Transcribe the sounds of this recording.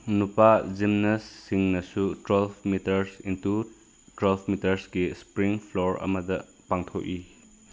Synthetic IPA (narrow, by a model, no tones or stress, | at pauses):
nupad͡ʒimnɐsːiŋnɐsutwelpʰmitɐɾsintu | twelpʰmitɐɾsɡispɾiŋpʰloɾɐ̰mɐdɐ | paŋtʰok̚i